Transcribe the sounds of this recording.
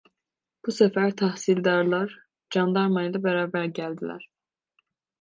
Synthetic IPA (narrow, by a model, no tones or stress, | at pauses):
b̥usæfæɾt̪ʰæhsild̪ɑɾlˠɑɾ | d͡ʒɑnd̪ɑɾmɑilˠɑbæɾɑːbæɾɟæld̪ilæ̰ɾ